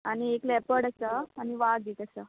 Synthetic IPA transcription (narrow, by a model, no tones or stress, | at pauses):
añieklɛpəɽasaːniʋaɡ̪it̪əsa